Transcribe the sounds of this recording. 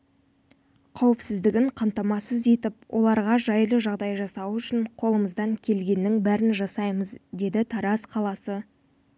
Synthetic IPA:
qʰɑwɪpsɪzd̪ɪɡʲɪɴqʰɑmt̪ɑmɑsəze̞t̪ɪp̚wʔo̞̰lˠɑɾʁɑʒɑjlˠəʒɑʁd̪ɑjʒɑsɑwʏʃɪnqʰo̞lˠəməzd̪ɑŋkʲʰe̞lɡʲe̞nːɪŋbæɾɪnʒɑsɑjməzd̪e̞d̪ɪt̪ʰɑɾɑsqʰɑlˠɑsə

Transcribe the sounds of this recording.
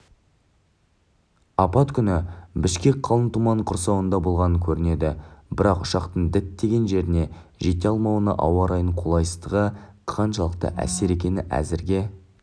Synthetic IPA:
ɑpɑt̪kʲʰʏnɪbɪʃkʲe̞k̚ʲqʰːɑlˠənt̪umɑɴqʰʊɾsɑwənd̪ɑbo̞lˠʁɑnəŋkʲʰɵɾɪne̞d̪ɪbɪɾɑqʊʃɑqt̪əɴd̪ɪt̪ːe̞ɡʲe̞nʒe̞ɾɪne̞ʒe̞t̪eɑlˠmɑwənɑ̰ʔɑ̰wɑɾɑjəɴqʰolˠɑjsə̥zt̪əʁəqʰɑnʃɑlˠəq̚t̪ə̰ʔæ̰se̞ɾe̞kʲe̞nɪʔæ̰zɪɾɡʲe̞

